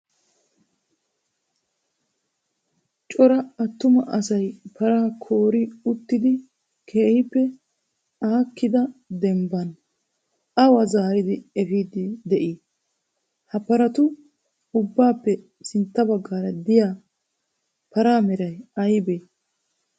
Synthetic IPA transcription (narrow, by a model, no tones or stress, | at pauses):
t͡ʃʼɔɾɐɐt̪ːʊmɐʔɐsɐjpɐɾaːkʰo̞ːɾɪʊt̪ːɪd̪ɪ | kʰeːhɪpːɛ | aːkːɪd̪ɐd̪ɛmbɐn | ɐwɐzaːɾɪd̪ɪɛfiːd̪ɪd̪ɛʔi | hɐpɐɾɐt̪ʊ | ʊbːaːpːɛ | sɪnt̪ːɐbɐɡːaːɾɐd̪ɪjaː | pɐɾaːmɛɾɐjɐjbeː